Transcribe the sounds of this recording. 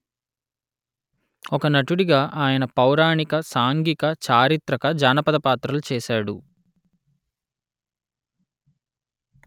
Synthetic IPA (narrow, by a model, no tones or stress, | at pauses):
ɔkɐnɐʈuɽiɡaːʔaːjɐnɐpɐwɾaːɳikɐsaːŋɡikɐt͡ʃaːɾit̪ɾɐkɐd͡ʒaːnɐpɐd̪ɐpaːt̪ɾɐlut͡ʃɛːsaːɽu